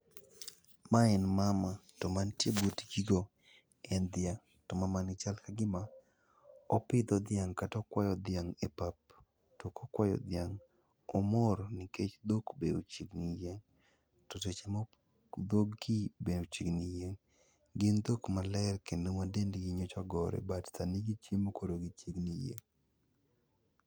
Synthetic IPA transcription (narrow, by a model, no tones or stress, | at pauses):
maɛnmamatɔmantjebutɡiɡo | ɛnd̪jaŋ | tɔmamanɪt͡ʃalkaɡɪma | ɔpɪd̪ɔd̪ɪjaŋkatɔkwajɔd̪ɪjaŋepap̚ | tɔkokwajɔ̰d̪jaŋ | ɔmɔɾnɪket͡ʃd̪okbeot͡ʃiɡnijeŋ | tɔtet͡ʃemo | d̪oɡibenot͡ʃiɡnijeŋ | ɡɪnd̪okmalɛrkenowadendɡiɲot͡ʃaɡɔɾɛ̰battaniɡit͡ʃimokoɾoɡit͡ʃiɡnijḛŋ